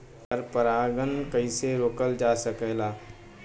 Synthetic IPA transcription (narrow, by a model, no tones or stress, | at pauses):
pəɾpəɾaːɡənkəiseɾoːkəld͡ʒaːsəkɛːlaː